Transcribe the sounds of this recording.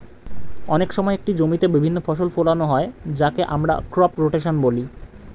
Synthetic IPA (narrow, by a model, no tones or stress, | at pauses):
ɔnekʃɔmɔeek̚ʈid͡ʑomit̪ebibʱinːofɔʃolfolanoɦɔed͡ʑakeʔamɾa̰kɾɔpɾoʈeʃonboli